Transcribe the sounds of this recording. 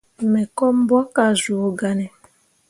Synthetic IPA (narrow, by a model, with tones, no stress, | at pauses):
mɛ˨kɔ˦m̩˦bwɔ˦ka˨zu˨o˨ɡa˨nɛ˨